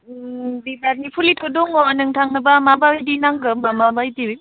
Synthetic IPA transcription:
bibaɾnipʰulitʰɔdɔŋɔnɯŋtʰaŋnɐbamabajdinaŋɡɯmbamabajdiwi

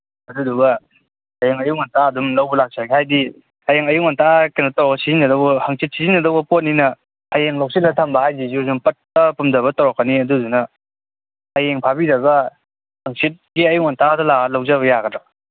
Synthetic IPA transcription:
ɐduduɡɐ | ajeŋɐjuŋantaɐdumlɐwbulak̚saɡihajdi | ajeŋɐjuŋantakenɐtawɾɔɡɐsizinːɐdɔwbɐhaŋsit̚sizinːɐdɔwbɐpot̚ninɐ | əjeŋlowsit̚latʰambahajzizuzumpɐt̚ːɐpumdɐβɐtawɾakːəniɐdudunɐ | jeŋpʰabiɾɐɡɐ | haŋsit̚ɡiɐjuŋantadɐlalawzaβɐjaɡɐda

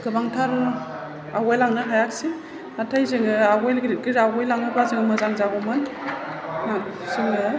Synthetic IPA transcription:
ɡ̥ɯbaŋtʰaɾ | aɡajlaŋnɯɦajaksi | atʰajzɯŋɯaɡɔjlɡɾiɡiɾaɡɔjlaŋnɯbazɯŋɯmɯzaŋzaɡɔmɯn | nasɯŋnɯ

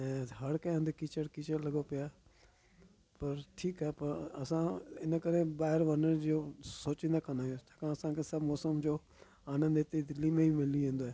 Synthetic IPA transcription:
ɛ̃ːɦɐɽkɛ̃ə̃nd̪ekiːt͡ʃəɽkiːt͡ʃəɽlɐɡopɪjaː | pɐɾʈʰiːkɛːpɐɾɐsãɪnəkəɾẽbaːɦɪɾʋənəɾd͡ʒoːsoːt͡ʃĩnd̪aːkɐnaːɦot̪aːkãɐsãkʰeːsɐbmɔːsəmd͡ʒoː | aːnə̃nd̪et̪ed̪ɪlːimẽimɪliẽːnd̪oːɦɛː

